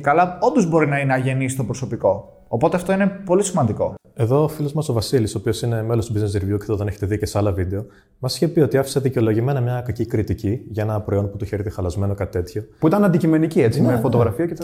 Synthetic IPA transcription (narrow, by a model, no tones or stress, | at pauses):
ekɐlɐond̪ozbo̞ɾinɐinɐʝe̞nisit̪o̞pɾoso̞piko̞ː | po̞t̪eɐft̪o̞inepo̞lisimɐnd̪iko̞ | e̞ðo̞ːfilo̞zmɐso̞vɐsilisoːpio̞sine̞melo̞st̪ubiznesɾivjuceɐθt̪oðeneçet̪e̞ðicesɐlɐvid̪e̞o̞ | mɐsi̥çepio̞t̪iɐfi̥seðiceo̞lo̞ʝime̞nɐmɲɐkɐcikɾit̪iciʝɐe̞nɐpɾo̞io̞nput̪uçeɾitexɐlɐzme̞no̞kɐt̪i̥t̪e̞t̪ço̞puit̪ɐnɐnd̪icimeniciet͡simefo̞t̪oɣɾɐfiɐcet̪